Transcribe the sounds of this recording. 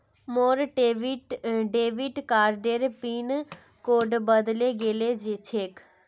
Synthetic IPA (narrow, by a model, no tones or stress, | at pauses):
moːɾʈʋiʈɖeːʋiʈkaːɾɖeɾpiːn | koːɖbəd̪leɡeːled͡ʒet͡ʃʰeːk